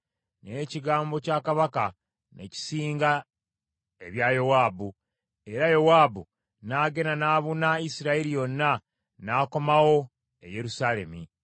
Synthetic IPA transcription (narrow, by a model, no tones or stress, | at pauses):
ne̞ciɡaːmbo̞caːkaβaka | ne̞̰ci̥siːŋɡa | e̞βjajowaːbu | e̞ɾajo̞waːbu | naːɡe̞nanaːβunaisiɾaeɾijo̞nːa | naːko̞mawo̞ | ḛje̞ɾusaːle̞̰mi